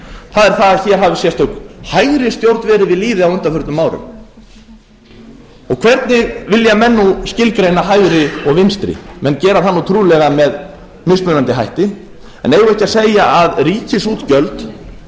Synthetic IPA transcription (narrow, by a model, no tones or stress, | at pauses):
θaðɛɾ̥θaðaθiɛɾ̥ɦavɪsjɛst̪œkhajɣɾɪst̪jowɾt̪nvɛːɾɪvɪðliːðɪawʏnt̪afʏɾt̪nʏmaːwɾʏ̰m | ɔɣkʰvɛɾt̪nɪɣvɪljamɛnːuscɪlkɾejnaɦajɣɾɪɔɣvɪnst̪ɾɪ̰mɛnːcɛːɾaθanːut̪ʰɾuːlɛɣamɛð | mɪspmʏnant̪ɪɦajht̪ɪ | ɛ̰nejɣʏɛhcaðsejaʔaðriːcɪsuːt̪cœlt̪